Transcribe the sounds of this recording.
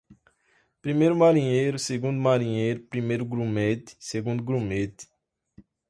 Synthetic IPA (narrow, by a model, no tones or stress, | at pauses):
pɾimejɾʊmaɾĩɲejɾʊseɡũnd̪umaɾĩɲejɾʊpɾimejɾʊɡɾũmet̪ɪ̥seɡũnd̪ʊɡɾũmet̪ɪ̥